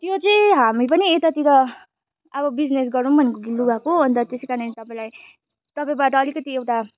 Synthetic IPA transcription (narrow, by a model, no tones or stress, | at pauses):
t̪jot͡sʌj̃ɦamipʌniet̪at̪iɾʌ | ʌβʌbid͡znesɡʌɾũnbʱʌnekoɡiluɡakoɦʌnt̪ʌt̪esikaɾnet̪ʌpaĩlaj | t̪ʌpaĩbaʈʌːlikʌt̪iewʈa